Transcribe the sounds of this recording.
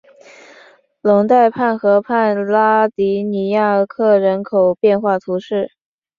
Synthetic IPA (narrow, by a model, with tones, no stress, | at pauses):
lʊ˧˥ŋt̪a˥˧ɪpʰa˥˩nxɤ˧˥pʰa˥˩nla˥t̪i˧˥ni˧˥ja˥˩˧kʰɤ˥˩ɻə˧˥nkʰo˨˩ʊpjɛ˥˧nxwa˥˩t̪ʰu˧˥ʂɻ̩˥˩